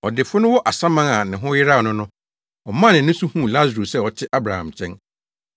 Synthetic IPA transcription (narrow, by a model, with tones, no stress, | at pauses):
ɔ˨dɪ˨fʊ˦nʊ̃˦wɔ˦ʔa˨sã˦mã˦ŋa˨nɪ̃˨ɦʊ̃˦jɪ˦ɾa˦˨nʊ̃˦nʊ̃˦ | ɔ˨mã˦˨nɪ̃˨nʊ̃˦su˦hũ˦˨la˦zɾo˨sɛ˦˨ɔ˨tʰɪ˦ʔa˦bɾa˨hã̰˨mt͡ɕʰɛ̃˦n